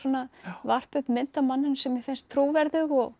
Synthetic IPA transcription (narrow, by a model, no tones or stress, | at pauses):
ɔnavar̥pʏhpmɪnt̪amanːʏnsɛmjɛfɪnst̪ʰːɾoːwvɛɾðʏɣɔɣ